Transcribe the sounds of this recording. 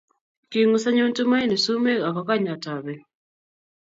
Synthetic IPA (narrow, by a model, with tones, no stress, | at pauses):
ki˨ŋu˦sa˦ɲo˦ntu˦ma˦i˦ni˨su˦me˦ka˨kɔ˦ka˦ɲa˨ta˨bɛ˨